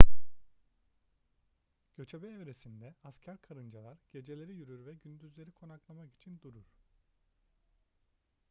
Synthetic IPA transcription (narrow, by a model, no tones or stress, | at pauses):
ɟ̥ø̞t͡ʃʰebɛːvɾe̞sind̪ɛascʰæɾkʰaɾɯnd͡ʒalˠaɾɟ̥e̞d͡ʒe̞lʲe̞ɾijyɾyɾvɛɟynd̪yzlʲe̞ɾikʰo̞naklˠamaki̥t͡ʃʰind̪uɾuɾ̥